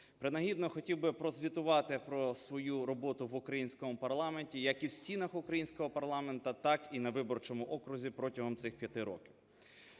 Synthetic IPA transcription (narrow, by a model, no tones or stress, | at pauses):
pɾɪnɐɦʲid̪nɔxɔtʲiwbɪpɾɔzʲʋʲit̪ʊʋɑt̪ɪpɾɔsʋɔjuɾɔbɔt̪ʊʋʊkɾɐjinʲsʲkɔmʊpɐrlˠɑmenʲtʲijɐkiwsʲtʲinɐxʊkɾɐjinʲsʲkɔɦɔpɐrlˠɑment̪ɐt̪ɑkinɐʋɪbɔrt͡ʃɔmʊʔɔkɾʊzʲipɾɔtʲɐɦɔmt̪sɪxpʲjɐt̪ɪɾɔ̰kʲɪw